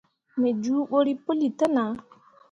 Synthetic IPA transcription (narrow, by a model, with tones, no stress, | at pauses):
mɛ˨d͡ʒuː˦ɓo˦ɾi˦po˦li˨ta˦na˨